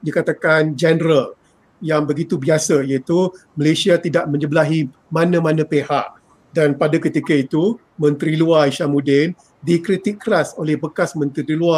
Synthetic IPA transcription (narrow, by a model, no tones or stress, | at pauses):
dikat̪akand͡ʒɛnɾəl | jaŋbəɡit̪ubiasəijait̪uməlesiat̪idaʔmə̃ɲəbəlaɦi | mãnãmãnãpehaʔ | danpadakət̪ikəit̪u | mə̃nt̪ɾiluaiʃamudɪn | dikɾit̪ikːəɾasolɛhbəkasmə̃nt̪ɾiɾilua